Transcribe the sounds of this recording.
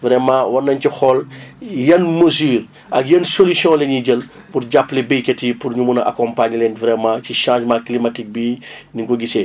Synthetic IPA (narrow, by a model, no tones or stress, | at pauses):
vɾɛmãwɐnːɐɲcixɔljɐnməzyːr | ʔɐkjɐnsolisjɔ̃ːlɛɲiɟəl | purɟapːlɛbejketipurɲumunɐʔa̰kɔ̃mpaɲlɛnvɾɛmãːciʃãːʒmãːklimatik̚bi | niŋɡoɡise